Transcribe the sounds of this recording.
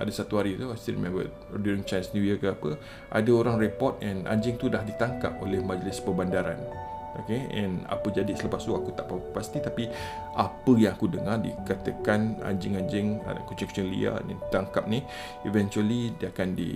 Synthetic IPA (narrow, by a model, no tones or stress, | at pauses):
ʔadasat̪uɦaɾit̪uast̪iɾḭmɛ̃mbə̰ | duɾɪŋt͡ʃansnũwjəkəapə | ʔa̰daoɾaŋrepɔt̪̚ɛ̃nʔã̰ɲd͡ʒɪŋt̪udahdit̪aŋka̰p̚olɛhmad͡ʒlɪspəbandaɾa̰nʔokeɛ̃na̰pəd͡ʒadisələpast̪uakut̪aʔppast̪it̪api | ʔapəjãŋakudəŋardḭkat̪əkana̰ɲd͡ʒɪŋaɲd͡ʒɪŋ̰kut͡ʃiŋkt͡ʃə̃ŋlḭa̰nɛ̰̃nit̪aŋkap̚ni | ivɛ̃nt͡ʃualidiakandḭ